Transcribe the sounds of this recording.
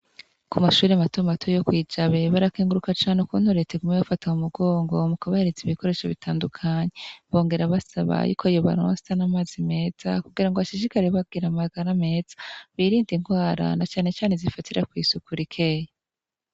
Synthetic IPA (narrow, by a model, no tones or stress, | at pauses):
kumaʃuːɾiamatomatʰojo̞kwiːd͡ʒaβe̞βaɾakeːŋɡuɾukat͡ʃaːnekuːn̥huɾe̞teɡumeβafataumuɡo̞ːŋɡo̞mukaβahe̞ɾet͡siβiko̞ɾe̞ːʃoβitʰaːndukʰaɲe̞βo̞ːŋɡe̞ɾaβasaβa̰jṵːkʰoajoβa̰ɾo̰ːstanamaːzime̞ːz̥akuɡiɾaŋɡoaʃiʒikaɾeβaɡiɾamaɡaɾame̞ːz̥ḁβiːɾiːndiŋɡwaːɾa̰nat͡ʃaːne̞t͡ʃaːnezifatiɾakwiːsukuɾikʰeja